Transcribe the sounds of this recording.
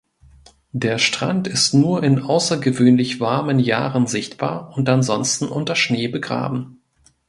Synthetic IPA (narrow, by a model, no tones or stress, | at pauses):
deːɐʃtʁ̥a̰ntɪstnuːɐɪnʔaʊsɐɡəvøːnlɪçv̥aɐmənja̰ːʁənzɪçtb̥a̰ːɐʊntʔanzɔnstn̩ʔʊntɐʃneːbəɡʁa̰ːbm̩